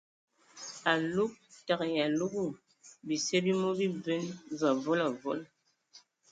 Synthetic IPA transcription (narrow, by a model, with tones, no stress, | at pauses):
a˨lu˦k̚ta˨kja˨lu˦ku˦˨ | bi˨sɛ˦bi˦mo˦bi˦bɛ˦nva˨vɔ˦la˨vɔ˦l